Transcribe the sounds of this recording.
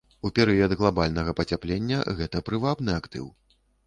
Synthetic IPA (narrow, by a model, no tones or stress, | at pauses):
upʲɛɾɨjɐd̪ɣlˠabalʲnɐɣɐpɐt͡sʲaplʲenʲːɐ̰ɣɛt̪ɐpɾɨvabnɨakt̪ɨ̰w